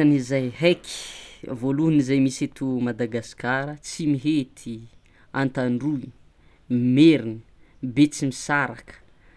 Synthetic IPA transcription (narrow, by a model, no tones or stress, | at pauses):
anizajɦekʰi̥voluunizajmiset̪umad̪aɡasi̥kaɾət͡simiɦet̪ʰi | a̰nt̪aɳɖ͡ʐui | imeɾini̥ | bet͡simisaɾakə̥